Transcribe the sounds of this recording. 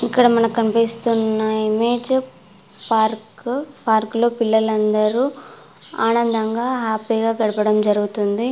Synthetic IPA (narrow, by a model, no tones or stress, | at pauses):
ikːɐɽɐmɐnɐkɐnpest̪unːɐimeːd͡ʒ | paːɾkpaːɾklo̞ːpilːɐlɐnd̪ɐɾu | aːnɐnd̪ɐŋɡaːɦaːpiːɡaːɡɐɽɐpɐɽɐmd͡ʒɐɾuɡut̪und̪i